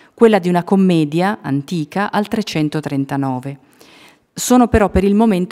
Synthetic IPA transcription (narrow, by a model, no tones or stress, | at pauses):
kwelːad̪iunakomːɛːd̪jaant̪iːkaʔalt̪ɾet͡ʃːɛnt̪ot̪ɾent̪anɔːve | soːnopeɾɔpːeɾilmoment̪